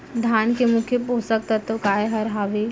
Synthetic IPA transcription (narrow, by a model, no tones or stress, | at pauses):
d̪ʱaːnkemʊkʰjəpoːsək̚t̪ɐt̪ːokaːeɦɐɾɦaːʋeː